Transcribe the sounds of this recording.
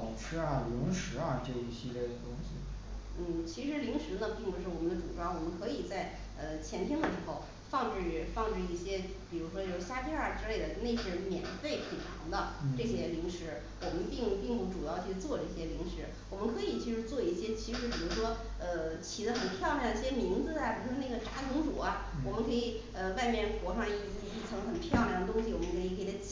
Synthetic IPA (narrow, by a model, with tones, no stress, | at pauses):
ɑ˨˩ŋʈ͡ʂʰɻ̩˥ɐ˨˩lʊ˧˥ŋʂɻ̩˧˥ɐ˥˧ʈ͡ʂɤ˥˩i˥˩ɕɛ˥˩t̪ʊ˥ŋɕḭ˨˩ | n̩˥˩t͡ɕʰi˧˥ʂɻ̩˧˥li˧˥ŋʂɻ̩˧˥nə˧pi˥˩ŋpu˧˥ʂɻ̩˥˩wɔ˨˩mə˦nd̪ə˧ʈ͡ʂṵ˨˩ʈ͡ʂwɑ˥ŋwɔ˨˩mə˧˦ŋkʰɤ˧˥i˨˩t͡sa˥˩ɪ | ə˧t͡ɕʰjɛ˧˥nt̪ʰji˥ŋd̪ə˨˩ʂɻ̩˧˥xo˥˧ʊ | fɑ˥˧ŋʈ͡ʂɻ̩˥˩fɑ˥˧ŋʈ͡ʂ̩˥˧i˥˩ɕjɛ˥ | pi˨˩ɻu˧˥ʂwɔ˥jo˧˥ʊɕja˥pʰi˥ɐ˞˥˩ʈ͡ʂɻ̩˥le˥˩ɪd̪ə˩ne˥˩ɪɕjɛ˥mjɛ˨˩nfe˥˩ɪpʰe˨˩ɪʈ͡ʂʰɑ̰˧˥ŋd̪ə˧n˥ʈ͡ʂɤ˥˩ɕjɛ˥li˧˥ŋʂɻ̩˧˥ | wɔ˨˩mə˧˦npi˥˩˧ŋpi˥˩ŋpu˧˥˩ʈ͡ʂu˨˩jɑ˥˩də˩˥˩t͡swɔ˥˧ʈ͡ʂə˩i˥˩ɕjɛ˥li˧˥ŋʂɻ̩˧˥ | wɔ˨˩mə˦nkʰɤ˧˥i˨˩t͡ɕʰi˧˥ʂɻ̩˧˥t͡swɔ˥˧i˥˩ɕjɛ˥t͡ɕʰi˧˥ʂɻ̩˧˥pi˨˩ɻu˧˥ʂwɔ˥ | ə˧t͡ɕʰi˨˩d̪ə˦xə˨˩npʰjɑ˥˩ʊnjd̪i˥˩ɕjɛ˥mi˧˥ŋd͡zɹ̩˥˧a˩pi˨˩ɻu˧˥ʂwɔ˥ne˥˩ɡə˩ʈ͡ʂa˧˥t̪ʰɤ˧˥ŋt͡su˨˩ɐ˦ | wɔ˨˩mə˦nkʰɤ˧˥i˨˩ | ə˧wa˥˧ɪmjɛ˥˩nkwɔ˧˥ʂɑ˥˧d̪ə˧i˥˩˧i˥˧˩i˥˩ɤ˧˥ŋxə˨˩npʰjɑ˥˧ʊlŋdə˩t̪̬ʊ˥ŋɕi˨wɔ˨˩mə˦ŋkʰɤ˧˥i˨˩kʰɤ˧˥˨a˥